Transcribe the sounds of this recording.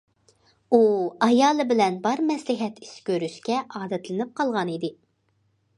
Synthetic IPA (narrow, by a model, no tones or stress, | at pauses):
uɑjɑːlˠɨbɪlɛnbɑɾmɛslɪɦɛt̪ʰi̥skʲøɾyʃkʲɛʔɑːd̪ɛt̪ʰlɨnɪp̚qʰɑlˠʁɑnid̪ɪ